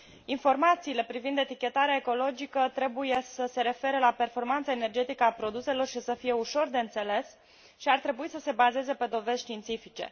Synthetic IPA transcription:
info̞rmat̪siːle̞pɾivind̪e̞t̪ikʲe̞t̪aɾeaeko̞lo̞d͡ʒikət̪ɾe̞buje̞səse̞ɾe̞fe̞ɾəlape̞rfo̞rmant̪səene̞rd͡ʒe̞t̪ikəapɾo̞d̪use̞lo̞rʃisəfije̞uʃo̞rd̪e̞ɨnt̪se̞le̞s | ʃiart̪ɾe̞buisəse̞baze̞ze̞pe̞d̪o̞ve̞zʲʃt̪iːnt̪sifit͡ʃe̞̰

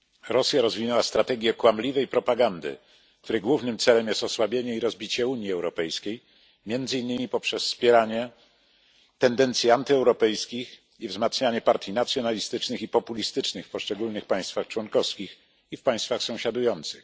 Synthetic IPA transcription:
ɾɔsʲjaɾɔzvʲinɛwast̪ɾat̪ɛɡʲɛkwamlʲivɛjpɾɔpaɡand̪ɘ̰ | kt̪uɾɛɡwuvnɘmt̪sɛlɛmjɛst̪ɔswabʲjeɲɛiɾɔzbʲit͡ɕɛuɲjiɛwɾɔpɛjskʲej | mʲjɛnd̪zɘinːɘmʲipɔpʂɛsːpʲjɛɾaɲɛ | t̪ɛnd̪ɛnt̪sʲjiant̪ɘɛwɾɔpɛjskʲix | ivzmat̪sɲaɲɛpaɾt̪ʲjinat̪sʲjɔnalʲist̪ɘt͡ʂnɘxipɔpulʲist̪ɘt͡ʂnɘxfpɔʂt͡ʂɛɡulnɘxpãj̃st̪faxt͡ʂwɔnkɔfskʲix | ifpaj̃st̪faxsɔ̃w̃ɕad̪ujɔnt̪sɘx

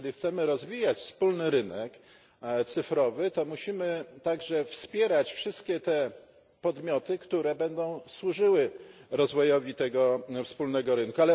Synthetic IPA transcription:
lʲixt̪sɛmɘɾɔzvʲijat͡ɕfspulnɘɾɘnɛk | t̪sɘfɾɔvɘt̪ɔmuɕimɘt̪aɡʐɛfspʲjɛɾat͡ɕfʂɘst̪kʲɛt̪ɛ | pɔd̪mʲjɔt̪ɘkt̪uɾɛbɛnd̪ɔ̃w̃swuʐɘwɘɾɔzvɔjɔvʲit̪ɛɡɔfspulnɛɡɔɾɘnkualɛ

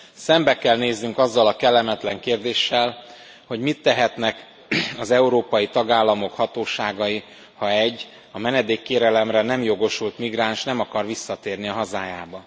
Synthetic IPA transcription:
sɛmbɛkɛlneːznyŋkɒzːɒlɒkɛlːɛmɛt̪lɛŋkeːrd̪eːʃːɛl | ho̞ɟmit̪ːɛɦɛt̪nɛk | ɒzɛuɾoːpɒjit̪ɒɡaːlːɒmo̞khɒt̪oːʃaːɡɒji | hɒɛɟː | ɒmɛnɛd̪eːkːeːɾɛlɛmrɛnɛmjo̞ɡo̞ʃult̪miɡraːnʃnɛmɒkɒrʋisːɒt̪eːrniɒɦɒzaːjaːbɒ

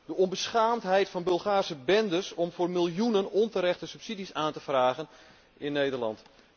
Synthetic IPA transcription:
dəɔnbəsχaːmtɦɛjtfɑnbølˠχaːrsəbɛndəsɔmvoːrmɪlˠjunənɔntəɾɛxtəsypsidisaːntəfraːɣən | ɪnːeːdərlɑ̰nt

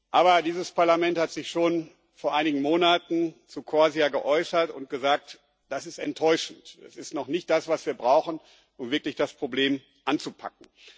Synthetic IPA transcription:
ʔaːβɐdiːzəspaɐlamɛnthatz̥ɪçʃoːn | foːɐʔaɪnɪɡŋ̩moːnatn̩t͡sukʰoaziaɡəʔɔʏsɐtʊnt̚ɡ̥əzaːk̚t | d̥asɪstɛntʰːɔʏʃn̩tɛ̰sɪstnɔχnɪçt̚d̥asv̥asv̥iːɐbʁaʊxn̩ | ʔʊmvɪɐklɪçd̥aspʁ̥obleːm | ʔant͡supʰa̰k̚ŋ̩

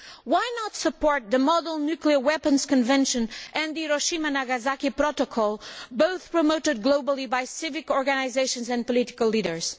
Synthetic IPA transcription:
wajnətsəpɔɹt̪̚ðəmɔdl̩ˠnʉkliə˞wɛpə̃nz̥kɨ̃nvɛ̃nʃɨ̃nʔɨ̃nðiɾoʃĩmanaɡazakipɾɔtokʰɔlˠboʊθpɹɔmoʊtɨd̪̚ɡloʊbəl̩ˠibajsɪvɨkɔɹɡɨnaɪzeɪʃə̃nzɨ̃npɔlitɪ̥kəlˠliɾə˞z̥

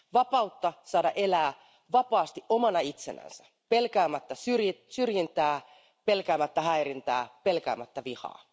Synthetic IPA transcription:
ʋɑpɑut̪ːɑsɑːdɑʔe̞læː | ʋɑpɑːst̪iʔomɑnɑit̪sḛnæ̰nsæ | pe̞lkæːmæt̪ːæsyrjisyrjint̪æː | pe̞lkæːmæt̪ːæɦæiɾint̪æ̰ːpelkæ̰ːmæt̪ːæʋihɑ̰ː

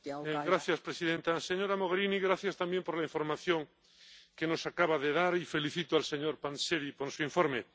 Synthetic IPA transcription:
ɡɾaθjaspɾesiðent̪aseɲoɾamoɣeɾiniɣɾaθjast̪ambje̞mpo̞ɾlaĩɱfo̞ɾmaθjoŋ | keno̞sakaβaðeðaɾife̞liθit̪oalse̞ɲoɾpanseɾiponsuiɱfoɾme

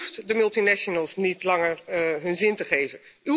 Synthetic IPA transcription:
ftdəmɵlˠtinɛʃonəlˠsnitlɑŋəɹɦɵnzɪntəχejvəny

